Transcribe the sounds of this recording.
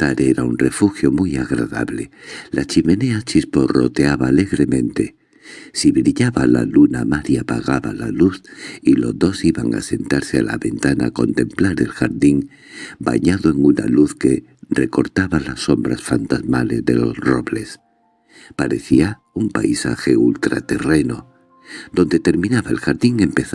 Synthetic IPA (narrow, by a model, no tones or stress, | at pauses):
t̪aɾeɾaunre̞fuxjo̞mujaɣɾaða̰βle̞lat͡ʃime̞ne̞at͡ʃisporo̞̰t̪eaβaːle̞ɣɾe̞mẽ̞nt̪e̞ | siβɾiʎaβala̰lunamaɾjapaɣaβalaluθilo̞zðo̞siβaŋa̰se̞nt̪aɾseala̰βe̞nt̪anaːko̞nt̪e̞mplaɾe̞lxaɾðiŋ | ba̰ɲaðoe̞ŋuna̰luθke̞ | re̞ko̞ɾt̪aβalasːo̞mbɾasfant̪azmale̞zðe̞lo̞zro̞βle̞s | paɾe̞θia | umpa̰jsa̰xe̞ult̪ɾa̰t̪e̞re̞no̞ | d̪o̞nd̪e̞t̪e̞ɾmĩnaβaelxaɾðiŋe̞mpe̞θ